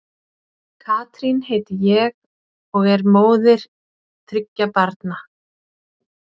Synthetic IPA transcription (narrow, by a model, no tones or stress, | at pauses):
kʰaːt̪ɾinheːjt̪ɪjɛɣ | ɔɣɛɾmoːwðɪɾ̥ | t̪ʰɾɪcːapaɾt̪na